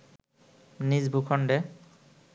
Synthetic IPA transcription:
nizbʱukʰɔnɖɛ

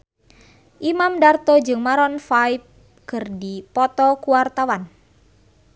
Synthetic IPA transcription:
ʔimamdart̪ɔd͡ʒɨŋmaɾɔnfaip̚ | kɨrdipɔt̪ɔkuwart̪awan

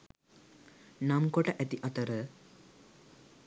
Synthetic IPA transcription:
namkoʈəʔæt̪iʔɐt̪əɾə

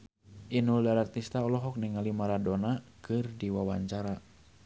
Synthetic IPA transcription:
ʔinuldaɾart̪ist̪aɔlɔɦɔk̚niŋalimaɾadonakɨrdiwawaɲt͡ʃaɾa

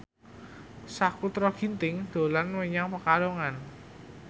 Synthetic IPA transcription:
sakut̪ɾɔɡ̥i̤nt̪ɪŋd̪̥o̤lanwəɲaŋpəkaloŋan

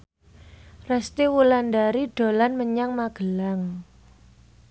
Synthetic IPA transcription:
rɛst̪iwulandaɾiɖ̥o̤lanməɲaŋmaɡ̥əlaŋ

